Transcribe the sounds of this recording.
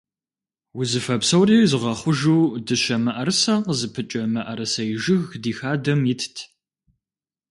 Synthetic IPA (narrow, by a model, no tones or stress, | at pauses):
wʊzɨfɐpsɐwriːzɨʁɐχʷʊʒuːdɨɕɐmɐʔɐrɨsɐqəzɨpʰɨt͡ʃʼɐmɐʔɐɾɐsɐjɪʒɪɣdiːxaːdɐmjɪtʰtʰ